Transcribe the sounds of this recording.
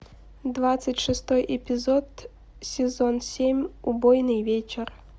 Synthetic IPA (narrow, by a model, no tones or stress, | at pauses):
d̪vat̪sɨtʲʂɨst̪ɔjʔɪpʲɪzɔt̪ | sʲɪzɔnsʲemʲubɔjnɨjvʲet͡ɕɪr